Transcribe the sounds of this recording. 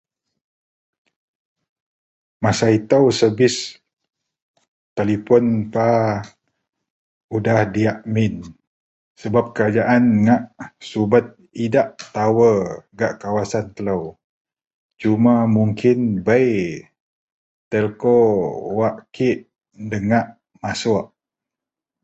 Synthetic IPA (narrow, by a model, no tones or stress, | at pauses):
masait̪əwsəbɪs | t̪alipɔnpa | udahdiaʔmin | səbap̚kəɾad͡ʒaʔanŋaʔsubət̪̚ | idaʔt̪awəɡaʔkawasant̪ələw | t͡ʃumamuŋkʰɪnbəj | t̪əlkowaʔkiʔ | dəŋaʔ | masʊaʔ